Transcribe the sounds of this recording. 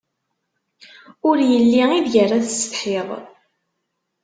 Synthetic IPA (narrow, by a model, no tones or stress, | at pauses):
ʊɾjəlːiiðjərːaθst̪ħeðˤ